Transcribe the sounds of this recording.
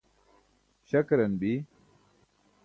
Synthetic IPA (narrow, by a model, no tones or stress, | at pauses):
ɕɐkɾɐnbi